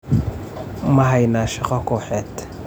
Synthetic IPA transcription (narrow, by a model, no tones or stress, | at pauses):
mɐɦɐjnaːʃɐqɐkɔːħɛːt̪